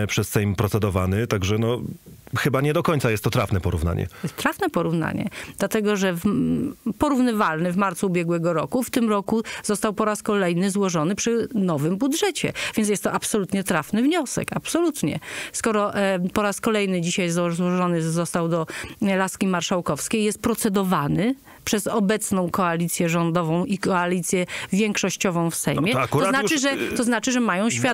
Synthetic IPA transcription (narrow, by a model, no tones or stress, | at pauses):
pʂɛssɛjmpɾɔt̪sɛd̪ɔvanɘt̪aɡʐɛnɔxɘbaɲɛd̪ɔkɔɲt̪sajɛst̪ːɔt̪ɾafnɛpɔɾṵvna̰ɲɛ̰jɛst̪ɾafnɛpɔɾuvna̰ɲɛ̰d̪lat̪ɛɡɔʐɛv | pɔɾuvnɘvalnɘvmaɾt̪suːbʲjɛɡwɛɡɔɾɔkuft̪ɘmɾɔkuz̥ɔst̪awpɔɾaskɔlɛjnɘzwɔʐɔnɘpʂɘnɔvɘmbud̪ʐɛt͡ɕɛ̰vʲjɛnsjɛst̪ːɔʔapsɔlut̪ɲɛt̪ɾafnɘvɲɔsɛ̰kapsɔlut̪ɲɛ̰skɔɾɔʔpɔɾaskɔlɛjnɘd͡ʑiɕajzzwɔʐɔnɘzɔst̪awd̪ɔlaskʲimaɾʂawkɔfskʲejjɛst̪̚pɾɔt̪sɛd̪ɔvanɘ | pʂɛzɔbɛt̪snɔ̃w̃kɔalʲit̪sʲjɛʐɔnd̪ɔvɔ̃w̃ʔikɔalʲit̪sʲjɛvʲjɛŋkʂɔɕt͡ɕɔvɔ̃w̃fsɛ̰jmjɛɔznaɘʐɛt̪ɔznat͡ʂɘʐɛmajɔ̃w̃ɕfʲja